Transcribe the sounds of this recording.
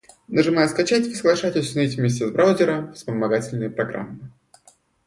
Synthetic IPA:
nəʐɨmajʊskɐt͡ɕatʲi̥səɡlˠɐʂatʲɪsʲnʲitʲvmʲes̬ʲtʲɪzbɾʔawzʲɪɾəfspəmɐɡatʲɪlʲnɨjəpɾɐɡɾa̰mːɨ

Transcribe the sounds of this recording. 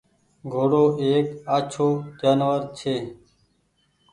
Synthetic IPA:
ɡʱoːɽoːʔeːkaːt͡ʃʰoːd͡ʒaːnʋəɾt͡ʃʰeː

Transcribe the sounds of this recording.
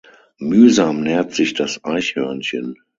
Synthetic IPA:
myːzaːmnɛːɐtz̥ɪçd̥asʔaɪçhœɐnçən

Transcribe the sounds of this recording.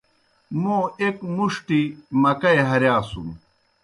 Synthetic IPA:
mõːekmuʂʈimɐkɐeɦɐɾjaːsṵm

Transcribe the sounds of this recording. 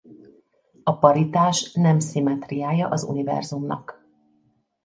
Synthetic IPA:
ɒpɒɾit̪aːʃnɛmsimɛt̪rijaːjɒʔɒzṵnivɛ̰rzumnɒ̰k

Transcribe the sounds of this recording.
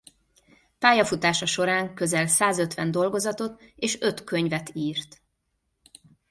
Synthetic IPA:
paːjɒfut̪aːʃɒʃo̞ɾaːŋkø̞zɛlsaːzø̞t̪ʋɛnd̪o̞lɡo̞zɒt̪o̞t̪eːʃø̞t̪køɲvɛt̪iːrt̪

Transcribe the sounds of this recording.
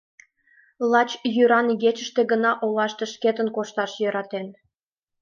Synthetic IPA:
lˠɑt͡ɕjyɾɑnɣet͡ɕəʃt̪eɣənɑʔolɑʃt̪eʃket̪ənkoʃt̪ɑʃjøɾɑt̪en

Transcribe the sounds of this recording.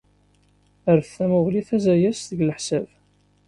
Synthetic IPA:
əɾθæmʊʁliθæzæjæsðəɡləħsæv

